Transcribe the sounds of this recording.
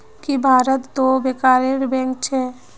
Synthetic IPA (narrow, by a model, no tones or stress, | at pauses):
kibʱaːɾət̪d̪obekaːɾeɾbɛ̃ŋk̚t͡ʃʰɛː